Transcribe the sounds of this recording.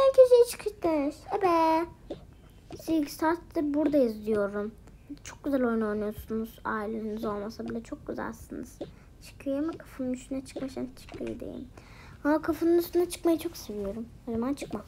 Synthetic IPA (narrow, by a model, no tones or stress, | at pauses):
æncʰiʃejit͡ʃʰɯ̥kʰɯʃd̪emiʃɛbɛ | sizɡʲist̪ʰaɾt̪ːɯɾbuɾd̪aizd̪ijo̞ɾum | t͡ʃʰok̚ɡyzælʲo̞jno̞jnujoɾsunuz̥a̰ːilʲeinizo̞lˠmasabilʲɛt͡ʃʰo̞k̚ɡyzæ̰lʲasɯnɯ̰z̥ | t͡ʃʰɯ̥kʰɯjoɾumɛkʰḁfɯnɯnyst̪ʰynɛt͡ʃʰɯ̥kmaʃant͡ʃʰɯ̥kʰɯjo̰d̪ḛjḭm | hamakʰafɯnɯnyst̪ynat͡ʃʰɯ̥kmajɯt͡ʃʰo̞kse̞vijo̞ɾumho̞zamant͡ʃʰɯkmam